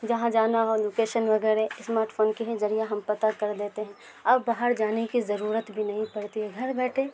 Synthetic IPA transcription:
d͡ʒɐɦãd͡ʒaːnaɦoed͡ʒʊkeːʃənʋɐɡɛːɾɛɪsmaːɾʈfʰoːnkiɦɛzɐɾijaɦɐmpɐt̪akɐɾd̪eːt̪eɦɛ̃ | ɐbːaːɦəɾd͡ʒaːnekizɐɾuːɾət̪bʱinɐɦĩpɐɽt̪iɦɛɡʱɐɾbɛːʈʰeː

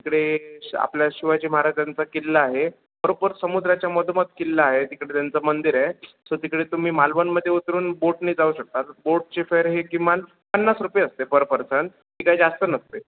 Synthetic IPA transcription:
t̪ikɽea̰pljaɕiʋat͡ɕiːməaɦɾad͡ʑant͡sakilːaːɦe | bəɾopəɾsəmud̪ɾat͡ɕjamɔd̪ʱmət̪kilːaaɦet̪ikɽet̪jant͡səmənd̪iɾa | sot̪ikɽet̪um̤iːmalʋənməd̪ʱːjeut̪ɾuːnboʈniːd͡zauːɕək̚t̪at̪boʈ̚t͡ɕefeɾɦeɡiman | pənːasɾupjeəst̪ebəɾpəɾsən | t̪ikajd͡zast̪ənəst̪e

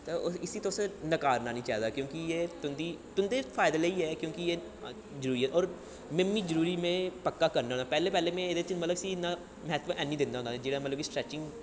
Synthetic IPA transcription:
t̪eɪsiːt̪õsnəkaːɾnaːnĩːt͡ʃaːd̪aːkjõːkijeːt̪ʊnd̪iːt̪ʊnd̪eːfʰaːɪd̪eleiːɦɛːkjõːkɪjeː | zəɾuːɾiːɦɛːʔɔːɾ | mẽmiːd͡ʒəɾuːɾiːmẽːpəkːaːkəɾnaɦõːnd̪aːpɛːleːpɛːleːmẽɪd̪et͡ʃɪmət̪ləbsiːnãː | mɦɛt̪ʋəʔɛːnːĩːd̪ɪ̃nd̪aɦʊ̃ndad͡ʒeːɽaːmət̪ləbisʈɾɛːt͡ʃɪ̃ŋɡ

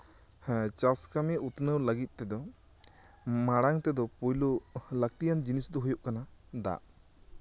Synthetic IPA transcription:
ht͡ʃaskamɛʔut̪nəwləɡit̪̚ˀt̪ɛd̪ɔ | maɽaŋt̪ɛd̪ɔpujlulək̚t̪ijand͡ʒinisd̪ɔɦujuʔkanad̪a̰ʔ

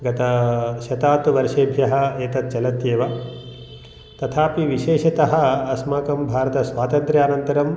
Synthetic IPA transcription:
ɡɐt̪ɐʃɐt̪aːt̪uʋɐɾʂeːbʱjɐɦɐeːt̪ɐt̪̚t͡ʃɐlɐt̪jeːʋɐ | t̪ɐt̪ʰaːpiʋiʃeːʃɐt̪ɐɦɐ̆ɐsmaːkɐmbʱaːɾɐt̪ɐsʋaːt̪ɐnt̪ɾjaːnɐnt̪ɐɾɐm

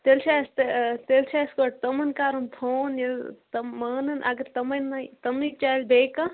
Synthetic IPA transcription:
t̪elt͡ʃʰaːst̪et̪elt͡ʃʰaːskoʈ̚t̪ɐmɐnkaːɾɐnt̪ʰoːnjɐlt̪ɐːɐːnɐnʔaɡɐɾt̪ɐmɐnɐjt̪ɐmit͡ʃaːjlbeːkɐ

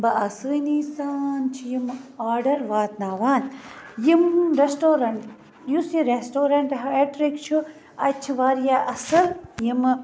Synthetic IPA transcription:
bɐɐsɨːniːsaːnt͡ʃʰijimaːɾɖɐɾʋaːt̪̚naːʋaːnjimɾesʈoːɾɐɳʈ | jusiɾesʈoːɾɐɳʈɦɐeʈɾikt͡ʃʰu | ɐt͡ʃʰiʋaːɾjaʔɐsɐljim

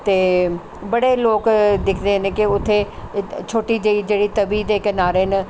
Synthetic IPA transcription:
t̪eː | bɐɽeloːkd̪ɪkʰd̪enɪkiʊt̪ʰːet͡ʃʰoːʈid͡ʒeid͡ʒeːɽit̪ɐbiːd̪ekɐnaːɾenɪ

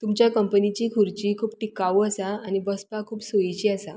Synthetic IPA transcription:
t̪umt͡ɕjakəmpənit͡ɕiːkʰuɾt͡ɕiːkʰuːbʈikaʋwəsaañibəspakʰuːbsoit͡ɕiːəsa

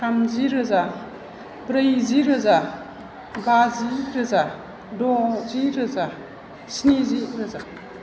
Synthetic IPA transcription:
kʰamziɾɯza | bɾəjziɾɯza | baziɾɐza | dɔziɾɯza | sniziɾɐza

